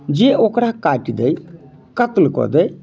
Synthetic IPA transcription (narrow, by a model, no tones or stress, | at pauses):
d͡ʒeːʔoːkɾakaːʈid̪ei | kət̪lkɔ̰d̪ej